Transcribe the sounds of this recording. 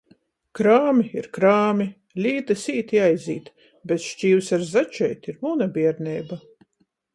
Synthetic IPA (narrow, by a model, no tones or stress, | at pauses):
kɾaːmʲiiɾkɾaːmʲi | lʲiːt̪asiːt̪iajziːt̪ | bʲet̪ʃt͡ʃiːwsaɾzat͡ʃɛjt̪iɾmunabʲiɛɾnʲɛjba